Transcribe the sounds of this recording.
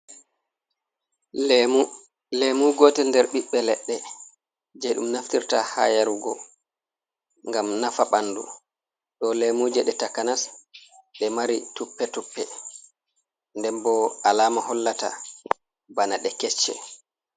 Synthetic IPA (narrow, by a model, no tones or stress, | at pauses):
lemuɡɔːtɛndɛɾɓiɓːɛlɛɗːɛ | d͡ʒɛɗumnaftiɾtaha̰jaɾuɡɔ̰ | ŋɡamnafaɓandṵ | ɗɔlemuːd͡ʒɛɗɛtakanas | ɗɛmaɾitupːɛtupːɛ | ndɛmbɔalaːmahɔlːata̰ | banaɗɛkɛt͡ʃːɛ̰